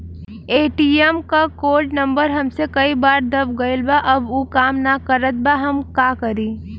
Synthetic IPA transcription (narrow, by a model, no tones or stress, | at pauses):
eːʈiemkakoːʈnəmbəɾɦəmsekəibaːɾd̪ɐbɡəɪlbaʔɐbuːkaːmnakəɾət̪̚baɦəmkaːkəɾiː